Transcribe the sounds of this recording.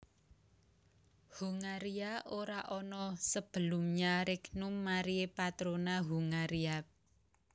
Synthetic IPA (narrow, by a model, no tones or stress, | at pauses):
huŋaɾiaʔoɾaʔɔnɔsəb̥ə̤lʊ̤mɲaɾɪknumːaɾiepat̪ɾonaɦuŋaɾia